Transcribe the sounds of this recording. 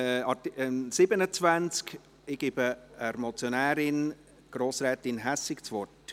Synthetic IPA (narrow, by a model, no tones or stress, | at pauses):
ɑsɪbənət͡svænt͡sk | ɪɡ̥ɪbəəɾmɔt͡sjonɛæːɾɪn | ɡ̥ɾoːsɾɛːtɪnɦɛsɪkt͡svɔt